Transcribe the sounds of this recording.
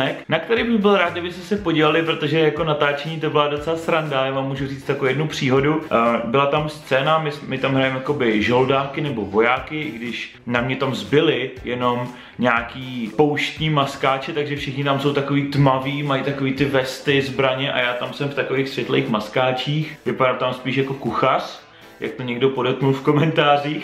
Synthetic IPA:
ɛknak̚t̪ɛɾejbɪɣbɪlɾaːd̪̚ɡɪbɪst̪ɛsɛpoɟiːvlalɪpɾot̪o̞ʒɛjako̞nat̪aːt͡ʃɛɲiːt̪obɪlado̞t͡sɛlasɾandajaːvamːuːʒuriːt͡st̪jakojɛdnupr̝̥iːɦo̞dubɪlat̪amst͡sɛːnamɪsmɪt̪amɦɾajɛmjako̞bɪʒoldaːkɪnɛbo̞vo̞jaːkɪɡdɪʃ | namɲɛt̪amzbɪlɪjɛno̞m | ɲaːkiːpowʃt̪ɲiːmaskaːt͡ʃɛt̪aɡʒɛfʃɪxɲɪt̪amsowt̪ako̞viːt̪maviːmajit̪akoviːt̪ɪvɛst̪ɪzbɾaɲɛʔa̰jaːt̪amsɛmft̪akovejxsvjɛt̪lɛḛjxmaskaːt͡ʃiːxvɪpadalt̪amspiːʃjako̞kuxar̥ | ja̰k̚t̪oɲɛɡdopo̞dɛt̪̚knulfko̞mɛnt̪aːriːx

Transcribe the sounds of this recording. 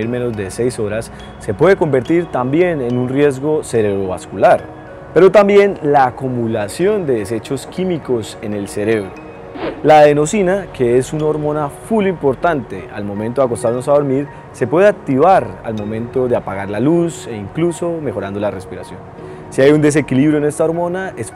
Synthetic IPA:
iɾme̞no̞zd̪e̞se̞jso̞ɾasː | e̞pwe̞ðeko̞mbe̞ɾt̪iɾt̪ambje̞ne̞nunrje̞zɡo̞se̞ɾe̞ɾoβaskulaɾ | pe̞ɾo̞t̪ambje̞nlaːkumulasjo̞nd̪e̞ðe̞se̞t͡ʃo̞skimiko̞se̞ne̞lse̞ɾe̞βɾo | laðe̞no̞sinakʰe̞esunaoɾmo̞nafulimpo̞ɾt̪ant̪e̞a̰lmo̞mẽ̞nt̪oak̬o̞st̪aɾno̞saðo̞ɾmiɾ | se̞pwe̞ðeak̚t̪iβaɾa̰lmo̞mẽ̞nt̪o̞ðe̞apaɣaɾlaluse̞iŋkluso̞me̞xo̞ɾand̪o̞lare̞spiɾasjo̞n | siajund̪e̞s̬e̞kiliβɾjoene̞st̪ao̞ɾmo̞naes

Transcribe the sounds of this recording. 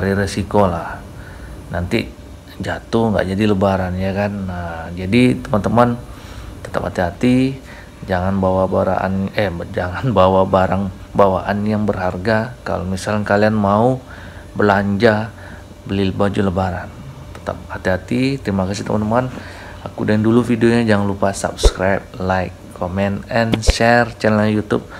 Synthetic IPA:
aɾiɾesikolah | nant̪i | d͡ʒat̪ʊhŋɡa̰ʔd͡ʒadiləbaɾanjakanad͡ʒadit̪əmant̪əman | t̪ə̥t̪a̰phat̪iɦat̪i | d͡ʒaŋanbawabaɾa̰ʔa̰nɛd͡ʒaŋanbawabaɾaŋ | bawaʔanjaŋbərɦarɡaka̰lomisalkalianmau | bəlaɲd͡ʒa | bəlilbad͡ʒuləbaɾant̪ə̥t̪a̰p̚hat̪iɦat̪it̪ɾimakasit̪ə̰mant̪əman | akudɛndulufidioɲad͡ʒaŋanlupasa̰p̚skɾajp̚laikʰːomɛnɛnʃɛrt͡ʃɛnalɲajut̪ʊ̰p̚

